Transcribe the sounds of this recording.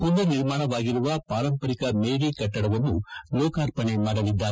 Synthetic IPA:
kund̪ɐniɾmaːɳɐʋaːɡiɾuʋɐpaːɾɐmpɐɾikɐmeːɽikɐʈːɐɽɐʋɐnːulɔːkaːɾpɐnemaːɽɐlid̪ːaː

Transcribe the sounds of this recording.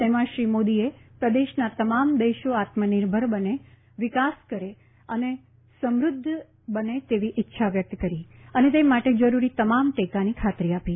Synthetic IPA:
t̪emãʃɾimod̪iepɾəd̪eʃnat̪əmamd̪eʃoat̪mənɪɾbʱəɾbəne | ʋɪkaskəɾe | əne | səmɾʊd̪ʱː | bənet̪eʋiʔɪtːʃʰaʋjək̚t̪kəɾiənet̪̬emaʈed͡ʒəɾuɾit̪əmamʈekanikʰat̪ɾiapi

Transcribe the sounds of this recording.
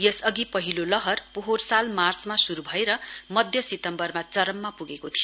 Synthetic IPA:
jʌsʌɡipʌɦilolʌɦʌrpuɦorsalmart͡smasuɾubʱʌeɾʌmʌd̪ʱjʌsit̪ʌmbʌrmat͡sʌɾʌmːapuɡekot̪ʰijo

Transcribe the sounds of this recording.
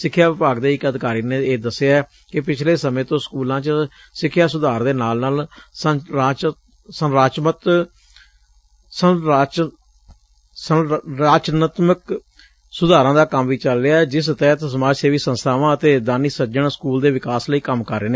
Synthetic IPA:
sɪkʰːjaːʋɪpaːɡd̪eːɪkəd̪ɪkaːɾiːneːeːd̪əseaɛː | kɪpɪt͡ʃʰleːsəmẽːt̪õːskuːlãːt͡ʃə | sɪkʰːjaːsʊd̪aːɾd̪eːnaːlnaːlsəaːt͡ʃ | sənɾaːt͡ʃmət̪ | səaːt͡ʃ | səɾaːt͡ʃnət̪mək | sʊd̪aːɾãːd̪aːkəmʋiːt͡ʃəlːejaːɛd͡ʒɪst̪ɛːt̪səmaːd͡ʒseːʋiːsə̃nst̪ʰaːʋãːət̪eːd̪aːniːsəd͡ʒəɳskuːld̪eːʋɪkaːsləiːkəmkəɾːeːneː

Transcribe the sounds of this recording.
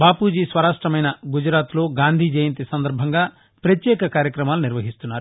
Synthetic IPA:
baːpud͡ʒiswɐɾaːsʈɾɐmɐjnɐɡud͡ʒɾaːt̪loːɡaːnd̪ʱid͡ʒejnt̪isɐnd̪ɐɾbʱɐŋɡaː | pɾɐt̪jeːkɐkaːɾjɐkɾɐmaːluniɾʋɐɦist̪unːaːɾu

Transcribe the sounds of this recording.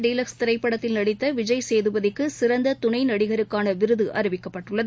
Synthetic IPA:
ɖiːlɐkst̪ɪɾɐɪpːɐɽɐt̪ːɪlnɐɽɪt̪ːɐʋɪd͡ʒɐjseːðɯʋɐðɪkːɯsɪɾɐnd̪ɐt̪ʊnɐɪnɐɽɪɣɐɾɯkːaːnɐʋɪɾɯðɯʔɐɾɪʋɪkːɐpːɐʈːɯɭːɐð

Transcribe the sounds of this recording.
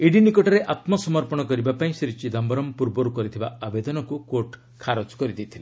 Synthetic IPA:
iɖinikɔʈɔɾeʔat̪mɔsɔmɔɾpɔɽ̃ɔkɔɾibapaĩsiɾit͡ʃid̪ɔmbɔɾɔmpuɾbɔɾukɔɾit̪ʰibaabed̪ɔnɔkukoʈ | kʰaɾɔt͡ʃkɔɾid̪it̪ʰile

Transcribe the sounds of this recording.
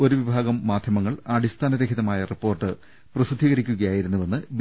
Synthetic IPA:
o̞ɾuʋibʱaːɡɐmːaːd̪ʱjɐmɐŋːɐɭɐɽist̪ʰaːnɐɾekʰiðɐmaːjɐripːo̞ːrʈːɨ | prɐsid̪ʱːiːɣɐɾikʲːuɣɐjaːjiɾunːuʋenːɨb

